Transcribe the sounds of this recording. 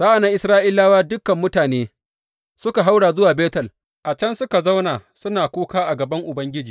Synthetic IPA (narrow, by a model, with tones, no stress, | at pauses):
saː˦ʔa˨naː˦ʔɪ˨sɾaː˦ʔɪ˦laː˦waː˦dʊ˦kːɐ˨mːʊ˦taː˨neː˦ | sʊ˦ka˨ɦa˦wɽaː˨zʊ˦waː˨beː˦tɐ˨l | ʔa˨t͡ʃɐ˦nsʊ˦ka˨za˦wnaː˨sʊ˦naː˨kʷuː˦kaː˦ʔa˨ɡɐ˨bɐ˦ŋʔʊ˨bɐ˦ŋɡʲɪ˦d͡ʒiː˨